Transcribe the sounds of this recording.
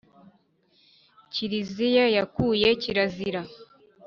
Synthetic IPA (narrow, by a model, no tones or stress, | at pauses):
ciɾizijajakuːje̞ciɾaziɾa